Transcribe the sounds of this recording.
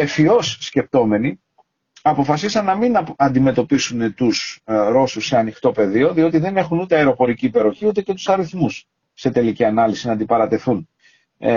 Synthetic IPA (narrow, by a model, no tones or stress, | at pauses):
efio̞sːce̞p̚t̪o̞me̞ni | ɐpo̞fɐsisɐnːɐminɐnd̪ime̞t̪o̞pisunet̪usɾo̞susːe̞ɐnixt̪o̞pe̞ðio̞ðio̞t̪iðe̞ne̞xunut̪e̞ɐeɾo̞po̞ɾiciːpe̞ɾo̞çiut̪e̞ce̞t̪u̥sɐɾiθmus | se̞t̪e̞liciɐnɐlisinɐnd̪ipɐɾɐt̪e̞θun